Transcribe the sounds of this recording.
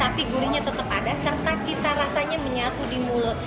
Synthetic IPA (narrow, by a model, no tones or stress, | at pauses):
t̪apiɡuɾiɲat̪ət̪əpadasərt̪at͡ʃit̪aɾasaɲaməɲat̪udimulʊt̪̚